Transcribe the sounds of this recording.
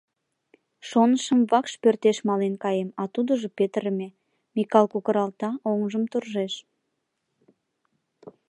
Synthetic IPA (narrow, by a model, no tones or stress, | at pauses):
ʃonəʃəmvɑkʃpørt̪eʃmɑlenkɑjemɑt̪ud̪əʒəpet̪əɾəme | mikɑlkukəɾɑlt̪ɑoŋʒəmt̪urʒeʃ